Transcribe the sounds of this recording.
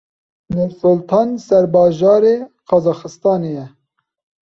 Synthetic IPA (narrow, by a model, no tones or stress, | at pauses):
nusʊlt̪ʰɑːnsɛɾbɑːʒɑːɾeqɑzɑːxɨst̪ɑːnejɛ